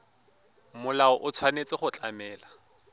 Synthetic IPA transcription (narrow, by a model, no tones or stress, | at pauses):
mʊlaɔʔʊt͡sʰwanet͡sɪχʊt͡ɬʼamɛːla